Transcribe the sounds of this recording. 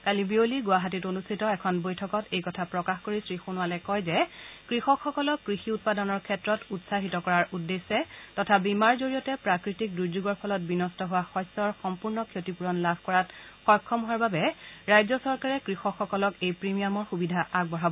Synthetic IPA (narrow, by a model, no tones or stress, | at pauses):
kalibioliɡʊaɦatitonustʰitɔɛkʰɔnbojtʰɔkɔtejkɔtʰapɹɔkaxkoɹisɹixunʊalɛkɔjzɛkɹixɔkxɔkɔlɔkːɹixiut̚padɔnɔɹkʰɛtɹɔtutsaɦitɔkɔɹaɹudːesːɛtɔtʰabimaɹzoɹijɔtɛpɹakɹitik̚dɹuɹzuɡɔɹpʰɔlɔt̚binɔstɔɦʊwaxɔjsːɔɹxɔmpuɹnɔkʰjotipuɹɔnlabʱkɔɹatxɔɹkʰːɔmʊaɹbabɛɹajzɔsɔɹkaɹɛkɹixɔkxːɔkɔlɔkejpɹimijamɔɹxubidʱaʔaɡ̚bɔɹabɔ